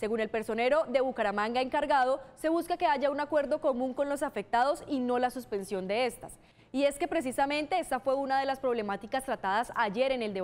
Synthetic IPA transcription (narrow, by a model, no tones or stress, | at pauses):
se̞ɣune̞lpe̞ɾso̞ne̞ɾo̞ðe̞βukaɾamãŋɡae̞ŋkaɾɣað̞o̞se̞βuskake̞aʝaunakwe̞ɾd̪o̞ko̞mũŋko̞nlo̞safe̞k̚t̪aðo̞sino̞lasuspe̞nsjo̞nd̪e̞e̞st̪as | ie̞ske̞pɾe̞s̬isamẽ̞nt̪e̞est̪afwe̞unað̞e̞laspɾo̞β̞le̞mat̪ikast̪ɾat̪aðasaʝe̞ɾe̞ne̞ld̪e